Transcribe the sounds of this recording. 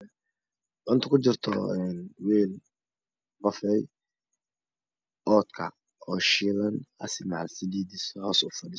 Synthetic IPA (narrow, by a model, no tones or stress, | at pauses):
ʔʊnt̪ʰʊkʰʊd͡ʒɪrt̪ʰɔ̰ɛnwɛːl | qɔfɛj | ɔːd̪kʰɐ | ɔːʃɪlɐnɐ̰sɪmaʕalsɪliːd̪ishɔːsʊfɐdɪ